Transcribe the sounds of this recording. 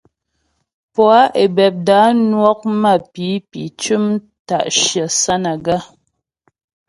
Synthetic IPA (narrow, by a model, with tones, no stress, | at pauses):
pwa˦ʔe˨bɛ˨p̚da˨˦nwɔ˦k̚ma˦˨pi˨˦pḭ˨t͡ʃʉ˦m | ta̰˨ʔʃjə˨sa˦na˨ɡa˦˨